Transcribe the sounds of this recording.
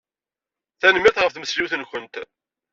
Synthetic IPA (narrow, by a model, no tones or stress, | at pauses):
θænəmːɪθʁəfθməsliwθənçʷənt̪